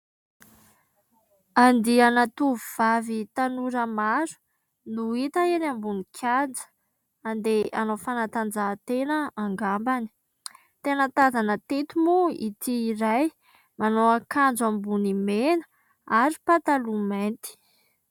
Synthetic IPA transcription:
and̪ianat̪uvuv̥avit̪anuɾəmaɾu̥ | nuit̪aenambunikʲʰand͡zə̥ | and̪eanofanat̪and͡zat̪enəaŋɡambani̥ | t̪enət̪azanət̪et̪umuḭt̪iːɾaj | manoakand͡zambunimenə̥ | aɾipat̪alument̪i̥

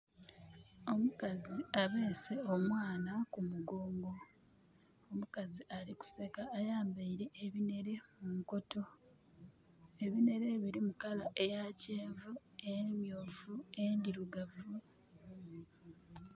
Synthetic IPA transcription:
o̞mukaziaβe̞ːse̞omwaːnakumuɡo̞ːŋɡo̞ | omukaziʔaɾiku̥se̞kaːjaːmbaiɾe̞ʔːβine̞ɾe̞muŋko̞to̞ | e̞βine̞ɾe̞βiɾimukalaʔe̞jace̞ːɱvu | emjoːvue̞ndiɾuɡavu

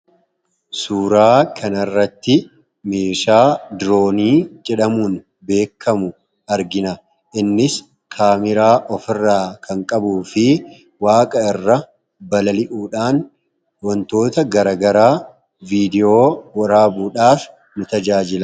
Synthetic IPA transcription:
suːɾaːkʰɐnɐrːɐt̪ːɪ | meːʃaːd̪ɾo̞ːniːd͡ʒɛᶑɐmuːn | be̞ːkːɐmʊ | ɐɾɡɪnɐ | ʔɪnːɪs | kʰaːmɪɾaːʔɔfɪrːaːkʰɐŋkʼɐbuːfɪ | waːkʼɐɪrːɐ | bɐlɐlɪʔuːᶑaːn | wɔnt̪o̞ːt̪ɐɡɐɾɐɡɐɾaː | viːd̪ɪo̞ːwɐɾaːbuːᶑaːf | nʊt̪ɐd͡ʒaːd͡ʒɪlɐ

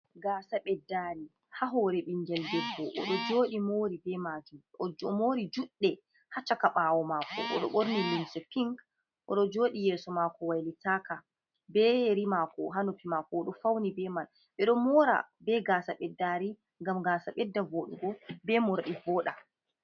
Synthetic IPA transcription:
ɡaːsaɓɛdːaɾi | haɦɔɾɛɓiɲd͡ʒɛlbɛbɔʔɔɗɔd͡ʒoːɗimoɾibɛmad͡ʒumɔmoːɾid͡ʒuɗːɛ | hat͡ʃːakaɓawɔmakɔ̰ʔɔ̰ɗɔɓoɾnilinsɛpiŋk | ʔɔɗɔd͡ʒoːɗijɛːsɔmakɔwajlitaːka | bɛeɾimakɔɦanupimakɔːɗɔfawnibɛman | ɓɛɗɔmɔɾa̰bɛɡaːsaɓɛdːaɾi | ŋɡamɡaːsaɓɛdːavoːɗuɡɔbɛmɔɾaɗivɔːɗa

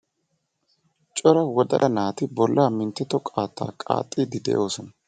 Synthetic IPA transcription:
t͡ʃʼɔɾɐwɔd̪ɐ̰ʔɐnaːt̪ɪbɔlːaːmɪnt̪ːɛt̪ːɔkʼaːt̪ːa̰ːkʼa̰ːt̪ʼːid̪ɪd̪ɛ̰ʔo̞ːsɔnɐ

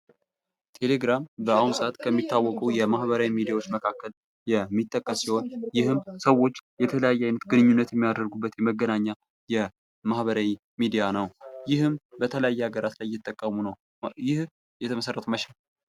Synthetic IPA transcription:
t̪ʰe̞le̞ɡɾambəawunsat̪kʰəmːit̪ʰːawːɔkʼəwjɛmahbəɾawimid̪ijawo̞t͡ʃːməkʰakːəl | jɛmːit̪ʼːəkʼːəssiho̞njɪhɨmsəwːo̞t͡ʃːjɛt̪ʰələjajːɛajnət̪ɡɨnɨɲːunːət̪jɛmːijad̪əɾɡubːət̪jɛməɡːənaɲːa | jɛ | mahβəɾawi | mid̪ijanəwjɪhɨmbət̪ʰələjajːɛaɡəɾat̪lajːɪt̪ʼːəkʼːəmunəw | jɪh | jɛt̪ʰəməsərːət̪ʰuməʃa

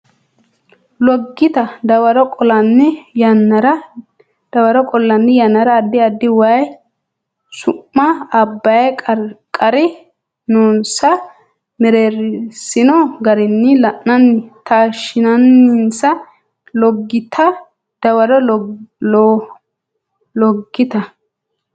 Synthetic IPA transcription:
lɔɡːɪt̪ɐd̪ɐwɐɾɔkʼɔlɐnːɪjɐnːɐɾɐ | d̪̥ɐwɐɾɔkʼɔlːɐnːɪjɐnːɐɾɐːd̪ːɪɐd̪ːɪwɐj | sʊʔːɐːbːɐjɐkʼɐɾkʼːɐɾɪ | noːnsɐ | mɛɾeɾɪsɪnɔɡɐɾɪnːɪlɐʔːɐnːɪt̪aːʃɪnɐnːɪnsɐ | lɔɡːɪt̪ʰɐ | d̪̥ɐwɐɾɔlo | lɔɡːɪt̪ɐ

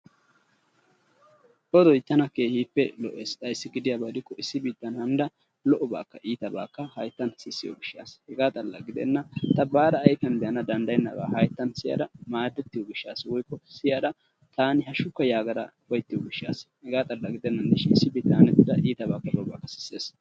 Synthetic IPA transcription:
ʔɔd̪ɔjt̪ːɐnɐkeːhiːpːɛlɔʔeːst̪ʼɐjsːɪɡɪd̪ɪjaːbɐd̪ɪkːɔɪsːɪbiːd̪ːɐnhɐnd̪ɐ | lɔʔɔba̰ːkːɐʔiːt̪ɐba̰ːkːɐhɐjt̪ːɐnsɪsːɪjɔ̰ɡɪʃːa̰ːshɛɡaːt̪ʼɐlːɐ̰ɡɪd̪ɛ̰nːɐt̪ɐbaːd̪ɐːjfɐnbɛjɐnɐd̪ɐnd̪ɐjnːɐ̰ba̰ːhɐjt̪ːɐnsɪjɐ̰d̪ɐmaːd̪ːɛt̪ːɪjɔɡɪʃːaːswɔjkːɔsɪjad̪ɐ | t̪aːnɪhɐʃʊkːɐjaːɡɐɾɐ̰fɐjt̪ːɪjɔɡɪʃːa̰ːshɛɡaːt̪ʼɐlːɐɡɪd̪ɛnːɐnd̪ɪʃɪnɪsːɪbiːd̪ːanɛt̪ːɪd̪ɐʔiːt̪ɐbaːkːɐlɔʔɔba̰ːkːɐ̥sɪ̥sːeːs

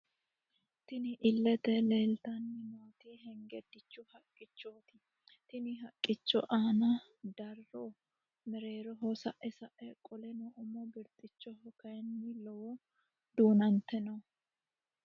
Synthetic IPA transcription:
t̪ɪnɪʔɪlːɛt̪ɛle̞ːlt̪ɐnːɪmoːt̪iɦɛŋɡɛd̪ːɪt͡ʃːʊhɐkʼːɪt͡ʃːoːt̪ɪ̥ | t̪ɪnɪɦɐkʼːɪt͡ʃːɔ̰ʔaːnɐ | d̪ɐrːoː | mɛɾe̞ːɾɔɦɔsɐʔɛsɐʔɛkʼɔlɛnɔʔʊmɔbɪɾt̪ʼɪt͡ʃːɔhɔkɐjɛnːɪlɔwɔ | d̪uːnɐnt̪ɛnɐ

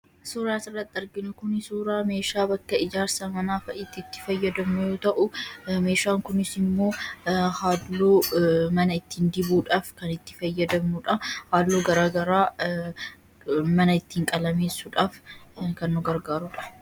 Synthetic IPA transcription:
suːɾaːsɪrːɐt̪ʼːɐɾɡɪnʊkʊnsuːɾaːme̞ːʃaːbɐkːɐɪd͡ʒaːɾsɐmɐnaːfɐʔɪt̪ːɪt̪ːɪ̥fɐjːɐd̪ɐmnʊjo̞ːt̪ɐʔʊme̞ːʃaːŋkʊnɪsɪmːo̞ːhaːdːoːmɐnɐɪt̪ːiːnd̪ɪbuːᶑaːfkɐnɪt̪ːɪ̥fɐjːɐd̪ɐmnʊᶑɐhaːllːoːɡɐɾaːɡɐɾaː | mɐnɐɪt̪ːiːŋkʼɐlɐme̞ːsːuᶑaːfkɐnːʊɡɐɾɡaːɾʊᶑɐ̥

